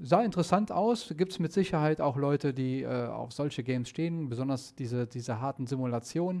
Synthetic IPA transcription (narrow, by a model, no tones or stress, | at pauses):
zaːɪntəʁɛsantʔaʊsɡiːp̚tsmɪtz̥ɪçɐhaɪtaʊxlɔʏtədiːʔɛːa̰ʊfz̥ɔlçəɡɛɪmsʃteːənbəzɔndɐsd̥iːzədiːzəɦaɐtn̩zimulat͡sjoːnən